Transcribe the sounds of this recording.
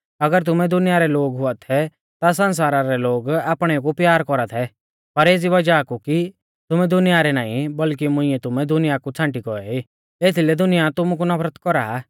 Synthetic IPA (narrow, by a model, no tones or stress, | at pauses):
ɐɡəɾt̪̬ʊmɛd̪ʊnɪjaɾɛloːɡɦʊat̪ʰɛ | t̪as̬ɐ̃ns̬aːɾaɾɛloːɡaːpɽ̃ɛk̬upjaːɾkɔɾat̪ʰɛ | pɐɾeːd͡ziʋɐd͡ʒakuki | t̪ʊmɛd̪ʊnɪjaɾɛnaːḭ̃bɐlk̬imʊ̃ɪ̃ɛt̪ʊmɛd̪ʊnɪjakut͡sʰãːɳʈikɔɛi | eːt̪ʰilɛd̪ʊnɪjat̪ʊmuk̬unɐpɾət̪kɔɾa